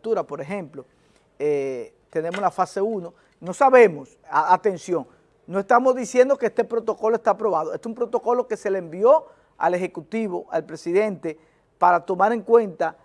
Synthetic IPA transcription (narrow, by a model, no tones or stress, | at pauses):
t̪uɾapo̞ɾeɦẽ̞mplo̞ | e | t̪e̞nemoslafase̞uno | no̞saβe̞mos | aat̪e̞nsjo̞ŋ | no̞e̞st̪amo̞zðisje̞nd̪o̞keest̪epɾo̞t̪o̞ko̞loe̞st̪aːpɾo̞βað̞oest̪umpɾo̞t̪o̞ko̞lo̞ke̞se̞leːmbio̞ | a̰le̞xe̞kut̪iβo̞ʔalpɾe̞siðẽ̞nt̪e̞ | paɾat̪o̞maɾe̞ŋkwẽ̞nt̪a